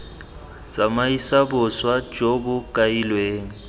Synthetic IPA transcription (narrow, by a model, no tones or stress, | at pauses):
t͡sʼamaisabʊswḁd͡ʒobʊkʼailweːŋ̩